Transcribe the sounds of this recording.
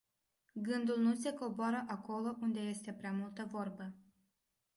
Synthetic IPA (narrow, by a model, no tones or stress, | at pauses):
ɡɨnd̪ulnuse̞ko̞boaɾəʔako̞lo̞ʔund̪e̞je̞st̪e̞pɾeamult̪əvo̞rbə